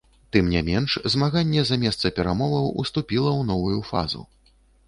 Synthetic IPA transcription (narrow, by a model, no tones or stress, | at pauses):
t̪ɨmnʲamʲɛnʂzmaɣanʲːɛzamʲɛst̪sɐpʲɛɾamɔvɐwṵst̪upʲilˠɐwnɔvujufa̰zṵ